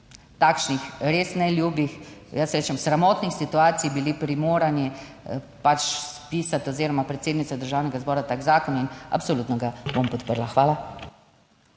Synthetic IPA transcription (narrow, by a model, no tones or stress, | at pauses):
t̪aːkʃnixɾeːsnɛljuːbixjəsɾeːt͡ʃɛmsɾamɔːt̪nixsit̪uaːt̪sijbilipɾimoːɾani | pat͡ʃspiːsat̪ɔziːɾɔmapɾɛt̪seːd̪nit̪ad̪əɾʒaːwnɛɡazbɔːɾat̪aɡzaːkɔnina̰psoluːt̪nɔɡabompɔt̪pəɾlaxʋaːla